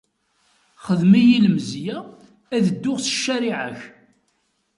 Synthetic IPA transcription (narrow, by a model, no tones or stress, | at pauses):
χəðmijiləmzjæ | æðəd̪ːʊʁsə̥ʃːæɾiʕaç